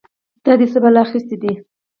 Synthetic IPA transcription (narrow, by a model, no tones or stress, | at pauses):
d̪̥ɑd̪esəbalaːxist̪id̪i